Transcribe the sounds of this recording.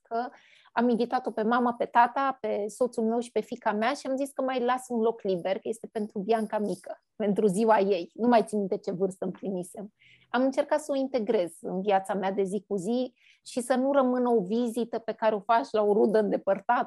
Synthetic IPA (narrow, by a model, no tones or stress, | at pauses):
kʰə | aminvit̪at̪o̞pe̞maməpe̞t̪at̪ape̞so̞t̪sulme̞wʃi̥pe̞fikameaʃiamziskəmajlasunlo̞klibe̞rkəje̞st̪e̞pe̞nt̪ɾubjaŋkamikə | pe̞nt̪ɾuziwaje̞jnumajt̪sinit̪et͡ʃe̞vɨrst̪əɨmpɾimise̞m | amɨnt͡ʃe̞rkat̪səoint̪e̞ɡɾe̞zɨnviat̪samead̪e̞zikuzi | ʃisənurəmɨnəo̞vizit̪əpe̞kaɾe̞o̞fat͡ʃlao̞ɾud̪əɨnd̪e̞pərt̪at̪